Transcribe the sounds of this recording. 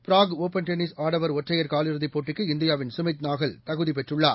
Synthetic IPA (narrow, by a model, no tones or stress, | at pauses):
pɪɾaːɡoːpɐnʈɛnɪsaːɽɐʋɐɾɔʈrɐjɐɾkaːlɪɾɯðipːoːʈːɪkːɯɪnd̪ɪjaːʋɪnsʊmɐɪt̪naːɣɐɭt̪ɐɣɯðip̬ɛʈrɯɭːaː